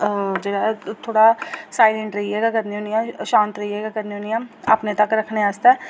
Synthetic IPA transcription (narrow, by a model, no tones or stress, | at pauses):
d͡ʒəɽaːt̪ʰoːɽaːsaːɪlɛ̃ɳʈɾəiɛːɡaːkəd̪nĩoːnijãːʃãːnt̪ɾəiɛːɡaːkəd̪nĩoːnijãːəpnẽːt̪əkɾəkʰneaːst̪ɛː